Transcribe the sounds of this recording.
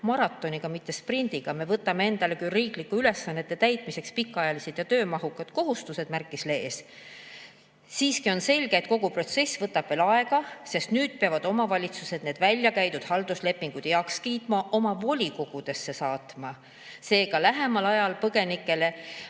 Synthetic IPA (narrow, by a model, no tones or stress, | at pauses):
mɑɾɑt̪ːˑo̞niɡ̥ɑmit̪ːe̞sprind̪̥iɡ̥ɑme̞vɤt̪ːˑɑme̞e̞nd̪̥ɑle̞kyriːklikːuyle̞sːɑnːe̞t̪ːe̞t̪æjt̪ˑmise̞kspikːˑɑjɑlised̪̥jɑt̪øːmɑɦukːˑɑd̪̥ko̞ɦust̪use̞d̪̥mærkːˑisle̞ːs | siːskio̞nse̞lʲɡ̥eːt̪̚ko̞ɡ̥upro̞t̪se̞svɤt̪ːˑɑb̥ve̞lɑe̞ɡ̥ɑse̞st̪nyːd̪̥̚peɑvɑd̪o̞mɑvɑlʲit̪suse̞d̪ne̞ːd̪vælʲjɑkæjd̪ud̪̥hɑld̪̥usle̞pːˑiŋɡ̥ud̪̥jɑkskiːt̪mɑʔo̞mɑvo̞lʲiko̞ɡ̥ud̪̥e̞sːe̞sɑːt̪mɑ | se̞ːɡ̥ɑlæɦe̞mɑlɑjɑlpɤɡ̥e̞nikːˑe̞le̞